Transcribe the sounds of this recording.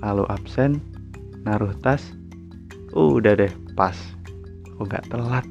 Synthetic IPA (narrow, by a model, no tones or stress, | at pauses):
lalṵʔapsɛnː | aɾuht̪as | udahdɛh | pas | akuɡa̰ʔt̪əlat̪̚